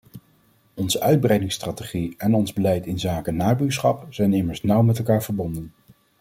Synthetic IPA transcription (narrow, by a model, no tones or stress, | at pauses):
ɔnzəʔœɥd̚brɛjdɪŋstraːteχiɛnɔnzbəlɛjtɪnzaːkənaːbyːɹsχɑpz̥ɛjnɪməɹsnʌwmɛt̬ɛlˠkaːɹv̥əɹbɔndən